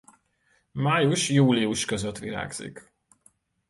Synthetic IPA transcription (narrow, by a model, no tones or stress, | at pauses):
maːjuʃjuːliuʃkø̞zøt̪ʋiɾa̰ːɡz̥ḭk